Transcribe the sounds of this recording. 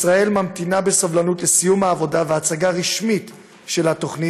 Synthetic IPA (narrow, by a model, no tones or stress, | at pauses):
sʁae̞lmamt̪inabe̞savlanutlesijumhaːvo̞daveat͡saɡaʁiʃmit | ʃe̞lhato̞χni